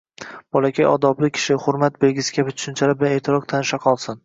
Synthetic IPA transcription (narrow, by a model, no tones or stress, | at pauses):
b̥ɒlˠakʲʰajɒ̰d̪ɒblɪkʲʰɪ̥ʃɪhʊɾmat̪̚belɡʲɪsɪ̥kʲʰabɪt͡ʃʰʊ̥ʃʊnt͡ʃʰalabɪlaneːt̪ʰɪɾɒq̚t̪ʰanɪʃaqʰɒlˠsɪn